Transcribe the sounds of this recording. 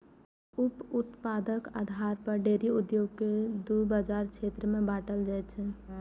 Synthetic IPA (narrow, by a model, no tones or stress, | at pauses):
uput̪pad̪əka̰d̪ʱaɾpəɾɖeɾiud̪joɡked̪ubad͡ʒaɾt͡ʃʰet̪ɾəmẽbaʈəld͡ʒajt̪t͡ʃʰɛ